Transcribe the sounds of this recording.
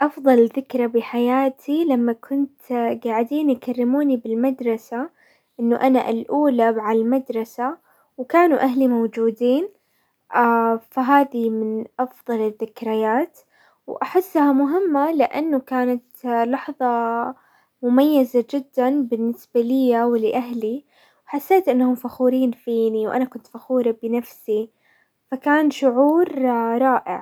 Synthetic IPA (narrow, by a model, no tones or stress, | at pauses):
ʔɑfðˤɑlɪðɪkɾˤɑbɪħajaːt̪ʰilamːakʰʊnt̪ɡaʕɪd̪iːnjkarːɪmuːnibɪlmad̪ɾˤɑsa | ʔɪnːʊʔanaʔalʔuːlabʕalmad̪ɾˤɑsa | wkaːnuʔaɦlimowd͡ʒuːd̪iːn | ʔafaɦaːðimɪnʔɑfðˤɑlɪðːɪkɾɪjaːt̪ | wʔaħɪsːhamʊɦɪmːalɪʔa̰nːʊkaːnat̪lɑħðˤɑ | mʊmajːazad͡ʒɪd̪ːanbɪnːɪsbalɪjːawlɪʔaɦli | wħasːeːt̪ʔɪnːahʊmfaxuːɾiːnfiːniwʔa̰nakʊnt̪faxuːɾɑbɪnafsi | fakaːnʃʊʕuːɾɾˤɑːʔɪ̰ʕ